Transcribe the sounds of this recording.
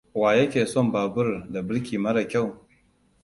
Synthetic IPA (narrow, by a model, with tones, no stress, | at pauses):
waː˨jɐ˦kʲeː˨sɔ˦mbaː˨bʊ˦rda˨bɪ˦ɽkʲiː˨mɐ˦ɽa˨kʲa˦˨w